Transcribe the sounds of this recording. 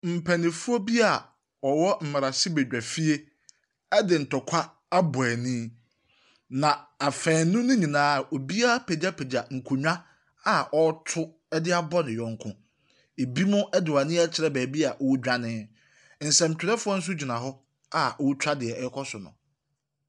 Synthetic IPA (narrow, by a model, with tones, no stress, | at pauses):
m̩˨pʰɛ˨nɪ̃˨fʊ˦ɔ˦bi˦a˨ | ɔ˨wɔ˦m̩˨ma˨a˨si˦bɛ˨d͡ʑᶣɛ˨fi˦e˦ | ɛ˦dɪ˨n̩˨tɔ˨kʷʰa˦ | a˦bʊ˨ɛ˨nĩ˦ | nã˨a˨fɛ̃ː˨˦nʊ̃˦nʊ̃˦ɲĩ˨nãː˦˨o˨bi˦a˦pʰe˨da˦pʰe˨da˨ŋ̩˨kʰʊ˨ɲᶣã˦ | a˨ʔɔ˦tʰʊ˦ | ɛ˦dɪ˦a˦bɔ˦nɪ̃˨jɔ̃˨ŋ˦kʰʊ̃˦ | e˨bi˦mʊ̃˦ʔɛ˦dɪ˨wa˨nɪ̃˦ɛ˦t͡ɕʰɪ˨ɾɛ˦bæː˨bi˦a˨ʔwd͡ʑᶣa˦nɪ̃˦ | n̩˨sɛ˨m̩˨tᶣɪ˨ɾɛ˦fʊ˦ɔ˦n̩˦s̬ʊ˦d͡ʑi˨nã˨ɦɔ˦ | a˨o˦wtʰᶣa˦dɪ˨ɛ˨˦kʰɔ˦sʊ˨nʊ̰̃˨